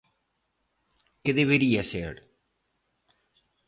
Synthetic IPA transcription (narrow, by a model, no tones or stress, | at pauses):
keðeβeɾiasḛɾ